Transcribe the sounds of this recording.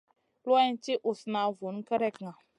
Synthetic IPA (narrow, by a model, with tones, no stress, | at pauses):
lwɛ˦n˦t͡ʃi˦ʔu˨sna˨vu˨n˦kə˦ɾɛ˦kŋa˨